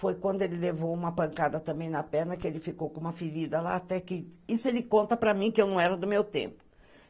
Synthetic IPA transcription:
fojkwɐ̃nd̪ʊelɪlevowũmɐpɐ̃ŋkad̪ɐt̪ɐ̃mbẽj̃nɐpɛɾnɐkɪelɪfikowkõũmɐfiɾid̪ɐla̰ːt̪ɛkɪisʊelɪkõnt̪ɐpɾɐmĩkɪewnɐ̃w̃ɛɾɐd̪ʊmewt̪ḛ̃mpʊ

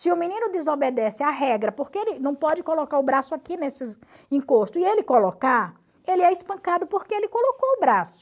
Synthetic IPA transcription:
sɪʊmĩnĩnʊd̪ezobed̪ɛsɪaɦɛɡɾɐpoɾkeelɪnɐ̃w̃pɔd͡ʒɪkolokaɾʊbɾasʊakinesɪ | ĩkoʃt̪ʊielɪkoloka | elɪɛispɐ̃ŋkad̪ʊpoɾkeelɪkolokoʊbɾasʊ̥

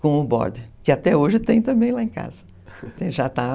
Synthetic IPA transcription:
kõʊbɔ̰ɾd̪ɪkɪat̪ɛoʒɪt̪ẽj̃t̪ɐ̃mbẽj̃laẽka̰zɐ | t̪ẽj̃ʒat̪a

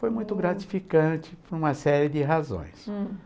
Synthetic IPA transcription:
fojmũj̃t̪ʊɡɾat͡ʃi̥fikɐ̃t͡ʃɪpʊɾũmɐsɛɾɪd̪ɪɦazõ̰j̃s

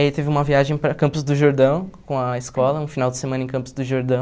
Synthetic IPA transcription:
it̪evɪũmɐviaʒẽj̃pɾɐkɐ̃mpʊzd̪ʊʒoɾd̪ɐ̃w̃kõɐeskɔlɐũfinawd̪ɪsemɐ̃nɐẽkɐ̃pʊzd̪ʊʒoɾd̪ɐ̃w̃

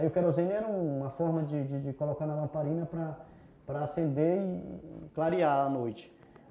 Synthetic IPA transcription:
iʊkɛɾozẽnʊɛɾɐũũũmɐfɔɾmɐd͡ʒɪd͡ʒɪd͡ʒɪkolokaɾnɐlɐ̃mpaɾĩnɐpɾɐ | pɾɐasẽnd̪eɪ̰klaɾiaanojt͡ʃɪ̥

